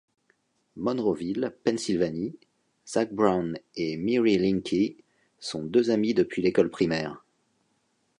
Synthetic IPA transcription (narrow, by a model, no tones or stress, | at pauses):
mɔnʁɔvilpɛ̃nsilvani | z̥ak̚bʁawnemiʁilĩŋkʲʰi | sɔ̃d̪øzamid̪əpɥilekɔlpχimɛːʁ